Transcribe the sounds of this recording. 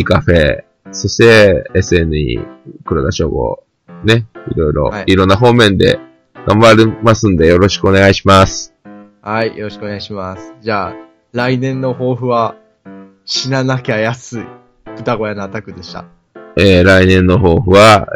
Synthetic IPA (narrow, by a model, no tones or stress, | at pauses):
ikaɸe̞ | so̞ɕi̥t̪e̞ːsɨe̞nɯ̟ɲḭkɯ̟ɾoɡ̪aɕo̞̰ːɡo̞̰ | ne̞ḭɾo̞iɾo̞̰iɾõ̞nːaɦo̞ːmẽ̞nd̪e̞̰ | ɡ̥ãmbaɾemasɨ̃nd̪e̞jo̞ɾo̞ɕi̥kɯo̞ne̞ɡaiɕimasɨ̥ | haijoɾoɕi̥kɯoneɡaiɕimasɨ̥d͡ʑaː | ɾainẽ̞nːo̞ho̞ːɸɯ̟βa | ɕinanakʲeajasɨi | kɯt̪aɡo̞janoat̪akɯ̟d̪e̞ɕi̥t̪a̰ | eːɾainẽ̞nːo̞ɦo̞ːɸɯ̟βa